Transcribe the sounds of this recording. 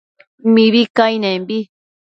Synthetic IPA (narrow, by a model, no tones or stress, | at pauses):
miβikajnẽmbi